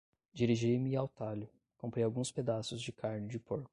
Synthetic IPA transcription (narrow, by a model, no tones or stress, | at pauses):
d͡ʒiɾiʒijmɪawt̪alʊ | kõmpɾejawɡũsped̪asʊzd͡ʒɪkʰaɾnɪd͡ʒɪpoɾkʊ̥